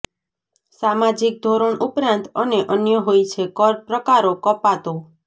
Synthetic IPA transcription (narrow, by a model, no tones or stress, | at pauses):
samad͡ʒik̚d̪ʱoɾəɳʔupɾãnt̪əneʔənjəɦojt͡ʃʰekɔɾpɾəkaɾokɔpat̪o